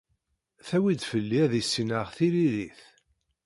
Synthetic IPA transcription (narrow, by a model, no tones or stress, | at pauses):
θæwid̪fəlːiæðisːinəʁθiliɾiθ